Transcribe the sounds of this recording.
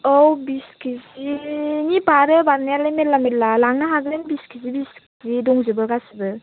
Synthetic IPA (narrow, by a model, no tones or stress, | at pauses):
ɔwbiskʰiziŋipaɾɯbanajalɯmetlamelalaŋnaɦaɡɾenbiskizibiskizidɔŋzɯbɯɡasibɯ